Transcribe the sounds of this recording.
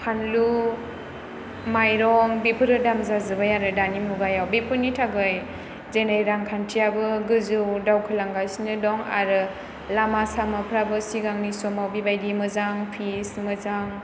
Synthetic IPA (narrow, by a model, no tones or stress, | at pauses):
kʰanlu | majɾɔŋbipʰɯɾɯdamzazɯbajaɾɯdanimuɡajawbipʰɯnitʰaɡɯj | zenajɾaŋkʰantʰijabɯɡɯzɯwdawkʰɯlaŋɡasnɯdɔŋa̰ɾɯ | lamasamapʰɾabɯsiɡaŋnisɔmawbibajdimɯzaŋpʰismɯzaŋ